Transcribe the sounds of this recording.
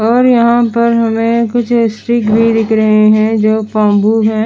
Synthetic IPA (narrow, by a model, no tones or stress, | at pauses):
ɔːɾjɐɦãpɐɾɦɐmẽkʊt͡ʃʰesʈɾɪkbʱid̪ɪkʰɾɐɦeɦɛ̃d͡ʒoːpãːmbuːɦɛ̃ː